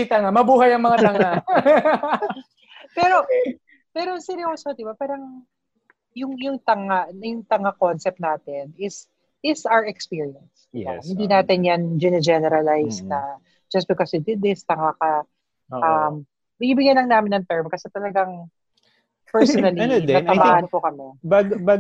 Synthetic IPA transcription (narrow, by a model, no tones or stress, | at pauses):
it̪ɐŋamɐbuːhɐjɐŋmɐŋat̪ɐŋa | pɛːɾo̞ | pɛːɾosɛɾɪosod̪ɪbapaːɾɐŋ | jʊŋjʊŋt̪ɐŋaʔnɐjʊŋt̪ɐŋakonsɛp̚t̪naːt̪ɪnɪs | ɪsawəɹɛkspiːɹiɐnsd̪ɪa̰hɪnd̪iːnaːt̪ɪnjand͡ʒɪnɛd͡ʒɛnɛɾɐlajs̚nɐ | d͡ʒɐs̚bɪkɔshid̪ɪd̪ːɪst̪ɐŋakɐ | ʔɐm | bɪniːbɪɡjanlɐŋnaːmɪnːɐŋt̪ɛɹmkɐsɛt̪ɐlɐɡaŋ | pɛɹsɔnɐlkɐɐbaːʔɐnpokɐmɛbɐbɐ